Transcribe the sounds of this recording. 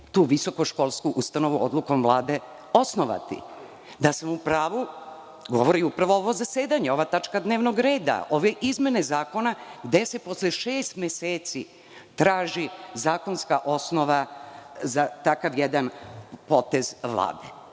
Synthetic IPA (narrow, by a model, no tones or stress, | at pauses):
t̪uːʋiso̞koʃko̞lˠskuʔust̪ano̞ʋuod̪lˠuko̞mvlˠaːd̪e̞ | o̞snoʋa̰t̪ḭ | d̪asamupɾaːʋu | ɡo̞̰ʋo̞ɾiupɾaʋo̞oʋo̞zaseːd̪aɲeo̞ʋat̪at͡ʃkad̪neːʋnoɡɾe̞ːd̪a̰o̞ʋeʔizme̞nezaːko̞naɡd̪e̞sepo̞sleʃeːst̪mjeseːt̪si | t̪ɾaːʒizaːko̞nskaʔo̞snoʋazat̪akaʋjed̪anpo̞t̪ezʋlˠa̰ːd̪e